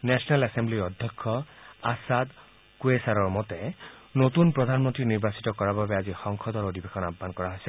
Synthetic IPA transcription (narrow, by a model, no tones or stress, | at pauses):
nɛsɔnalɛsembliɔd̪ʱjɔkʰːɔasad̪ | kuesaɹɔɹmɔt̪ɛnot̪unpɹɔd̪ʱanmɔntɹiniɹbasi̥tɔkɔɹababɛazixɔŋxʰɔd̪ɔɹod̪ʱibexɔnabʱːankɔɹaɦojsɛ